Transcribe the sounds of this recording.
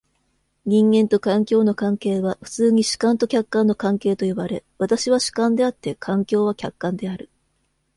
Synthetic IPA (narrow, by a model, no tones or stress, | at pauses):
ɲ̟ĩŋɡẽ̞nt̪o̞kãŋkʲo̞ːno̞kãŋke̞ːβaɸɯ̟̥t͡sɨːɲ̟iɕɨ̥kãnt̪o̞kʲakːãnːo̞kãŋke̞ːt̪o̞jobaɾe̞βat̪aɕiβaɕi̥kãnd̪e̞at̪ːe̞kʰãŋkʲo̞ːβakʲakːãnd̪e̞aɾɯ̟